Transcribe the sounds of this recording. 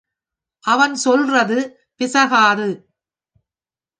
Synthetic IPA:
ʔɐʋɐnsɔlrɐðɯ | pɪsɐɣaːðɯ

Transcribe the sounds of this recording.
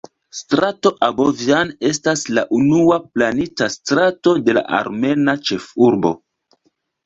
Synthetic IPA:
stɾato̞ʔaboviane̞staslaʔunuaplanitastɾato̞de̞la̰ʔa̰ɾme̞nat͡ʃe̞fuɾbo̞̰

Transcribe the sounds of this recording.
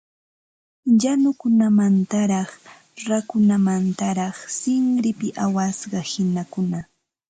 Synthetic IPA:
janʊkʊnamant̪aɾɑχ | ɾakʊnamant̪aɾɑχsɪŋɾɪpɪʔawasɢɑhɪnakʊna

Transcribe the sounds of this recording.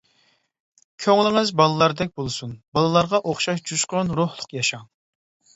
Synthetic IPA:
kʲʰøŋlˠɪŋɪzbɑlˠɨlˠɑɾd̪ɛk̚ʲbolˠɨsunbɑlˠɨlˠɑɾʁɑʔoχʃɑʃd͡ʒuʃqɑnɾuhlˠʊqjɑʃɑŋ

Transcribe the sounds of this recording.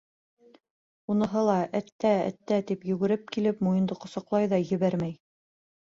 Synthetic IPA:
unɤ̆ɦɤlˠɑʔæt̪ːææ̰t̪ːæt̪ipjɵ̆ɡɘ̆ɾɘp̚kilɘpmujɤ̆nd̪ɤqŏsɑqlˠɑjðɑjɘ̆βæɾmæj

